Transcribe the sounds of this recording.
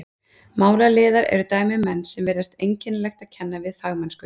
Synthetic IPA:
maːwlalɪːðaɾɛ̰ɾʏt̪aːjmɪmɛnːsɛmvɛːɾðast̪ejɲcɪnlɛxt̪aðcʰɛnːavɪðfaɣmɛnskʏ

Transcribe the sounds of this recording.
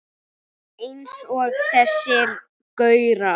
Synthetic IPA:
ensɔɣθɛsːɪɾ | kœɥɾa

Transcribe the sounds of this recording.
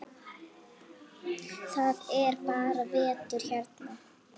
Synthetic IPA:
θaðɛɾpaːɾavɛːt̪ʏɾ̥çɛrt̪na

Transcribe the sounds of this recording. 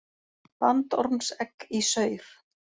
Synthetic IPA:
pant̪ɔɾmsɛkisœːɥɾ̥

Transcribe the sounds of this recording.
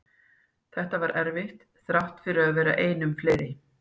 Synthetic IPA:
θɛht̪avaɾʔɛɾvɪht̪ | θɾaht̪fɪɾʏaðvɛːɾa̰ʔeːjnʏmfleːjɾɪ

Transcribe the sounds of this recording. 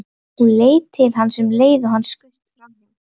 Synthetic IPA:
ɔɣleːjt̪ʰɪlɦanːsɛmleːjðʏɦanːskʏst̪amnɪ

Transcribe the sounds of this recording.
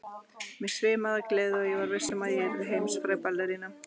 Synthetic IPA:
mɛsʰvɪːmaðaklɛðɪɔjɛvaɾvejsɛmaðjɛɾvɪðɦejmsfɾaːjpalːɛɾina

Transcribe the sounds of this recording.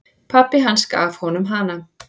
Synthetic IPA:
pʰapːɪɦanska̰ːfhɔnʏmɦana

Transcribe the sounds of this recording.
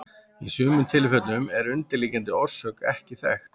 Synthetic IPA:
isʏːmʏnt̪ʰɪlfɛt̪lnʏmɛɾʏnt̪ɪɾliːcant̪ɪɔɾ̥sœːkɛhcɪθɛxt

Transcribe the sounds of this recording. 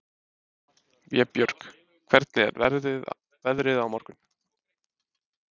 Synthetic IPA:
vjɛpjœɾ̥k | kʰvɛɾt̪̚nɪɛ̰ɾɛ | vɛðɾɪðawmɔɾkʏn̥

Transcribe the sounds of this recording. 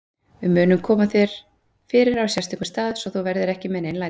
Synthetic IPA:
vɪmʏːnʏmkʰɔːmaθɛɾ̥ | fɪːɾɪɾawsjɛst̪iŋkʏst̪aːðsɔθuwvɛɾðɪɾɛhcɪmɛðnejnla

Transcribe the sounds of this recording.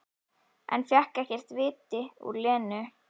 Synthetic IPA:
ʔɛ̰nfjɛhkɛhcɛr̥t̪vɪːt̪ɪṵɾlɛːnʏ

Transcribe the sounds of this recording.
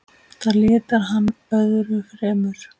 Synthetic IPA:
θaɾlɪːt̪aɾɦanː | œðɾʏfɾɛːmʏɾ̥

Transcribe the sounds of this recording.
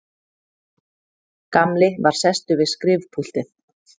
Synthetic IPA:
kamlɪvaɾ̥sɛst̪ʏvɪðskɾɪːvpʰul̥t̪ɪð

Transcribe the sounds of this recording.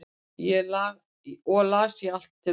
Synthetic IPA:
jɛlaːɣ | ɔlaːsjial̥t̪ʰːɪ

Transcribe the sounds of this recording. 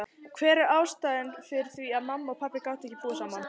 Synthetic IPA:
kʰvɛːɾɪɾaːwst̪aːjðɪnfɪɾ̥θviaðmamːaɔɣpʰapːɪkawht̪ɛçcːɪpuːasaːman

